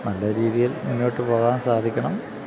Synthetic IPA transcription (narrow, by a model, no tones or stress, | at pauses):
nɐlːɐɾiːðijɐlmunːo̞ːʈːɨpoːɣaːnsaːd̪ʱikʲːɐɳɐm